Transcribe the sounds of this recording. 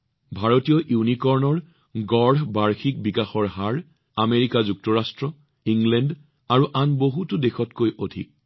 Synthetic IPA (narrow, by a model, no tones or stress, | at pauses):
bʱaɹotijɔʔiwnikɔɹnɔɹ | ɡɔɹɦbaɹxik̚bikaxɔɹɦaɹ | ameɹikazuk̚tɔɹastɹɔ | iŋlɛnd | aɹuʔanboɦutʊdexɔtkojodʱḭk̚